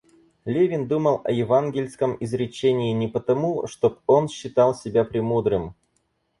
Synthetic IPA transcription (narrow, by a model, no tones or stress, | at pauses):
lʲevʲɪnd̪uməlˠɐ̰jɪvanɡʲɪlʲskəmɪzɾʲɪt͡ɕenʲɪːnʲɪpət̪ɐmuʂt̪o̞p̚o̞nɕːɪt̪ɑlˠsʲɪbʲapɾʲɪmud̪ɾɨm